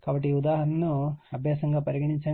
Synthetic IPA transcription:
kaːbɐʈ̬ːiud̪aːɦɐnɐnːuɐbʱjaːsɐŋɡaːpɐɾiɡɐɳiɲt͡ʃɐ

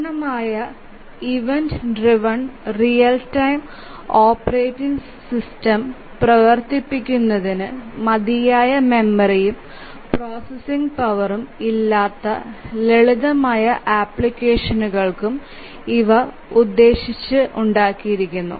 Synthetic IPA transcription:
nɐmaːjɐ | iʋendɖriʋɐɳrijɐltɐjm | oːpɐreːtːiŋɡ | sistɐm | prɐʋɐrt̪ipːikʲːunːɐðinɨmɐd̪ijaːjɐme̞mːɐrijum | pro̞ːsesiŋɡpɐʋɐrumilːaːt̪ːɐ̰leɭiðɐmaːjɐʔaːpɭikʲːeːʂɐnuɣɐɭkum | iʋɐ | ud̪ːe̞ːɕit͡ɕːɨʔuɳɖaːkːijiɾikʲːunːṵ

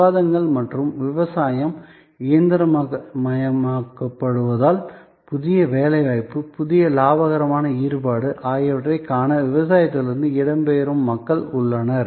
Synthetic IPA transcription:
aːðɐŋɡɐɭmɐʈrɯmʋɪʋɐsaːjɐm | ɪjɐnd̪ɪɾɐmːmɐjɐmaːkːɐpːɐɽɯʋɐðaːl | pʊðɪjɐʋeːlɐɪaːjpːɯpʊðɪjɐlaːbɐɣɐɾɐmaːnɐiːɾɯbaːɽɯʔaːjɐʋɐʈrɐɪkaːnɐʋɪʋɐsaːjɐt̪ːɪlɪɾɯnd̪ɯɪɽɐmbeːɾɯmːɐkːɐɭʊɭːɐnɐɾ

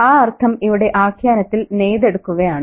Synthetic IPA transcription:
aːɐrt̪ʰɐmiʋiɽe̞ʔaːkʰjaːnɐt̪ːilnejðe̞ɽukːuɣɐjaːɳɨ

